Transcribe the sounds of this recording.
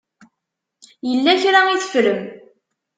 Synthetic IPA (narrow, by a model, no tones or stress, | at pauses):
jəlːæçɾaiθə̥fɾəm